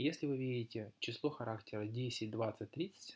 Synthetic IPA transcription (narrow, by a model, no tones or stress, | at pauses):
jesʲlʲɪvɨvʲiɾʲɪtʲɪt͡ɕɪslˠo̞xɐɾaktʲɪɾədʲesʲɪtʲd̪vat̪sɨtʲt̪ːɾʲit̪sɨ̥tʲ